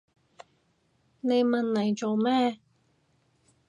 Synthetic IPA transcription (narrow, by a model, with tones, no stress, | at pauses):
ne˨˧jmɐ˨nlɐ˨˩jt͡ʃo˨˧wmɛː˥